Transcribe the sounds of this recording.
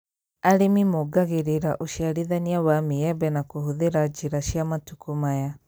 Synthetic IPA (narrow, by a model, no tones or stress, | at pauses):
aɾemimoɡaɣeɾeɾaʔoʃiaɾiðaniawamiɛbɛnakohuðeɾad͡ʒiɾaʃiamatukumaja